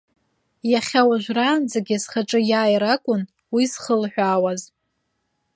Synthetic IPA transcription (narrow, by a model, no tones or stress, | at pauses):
jaχʲawaʒᶣʷraːnd͡zaɡʲasχaʈ͡ʂʼɨjaːjɾakʷʼʊn | wizχəlħʷᶣaːwaz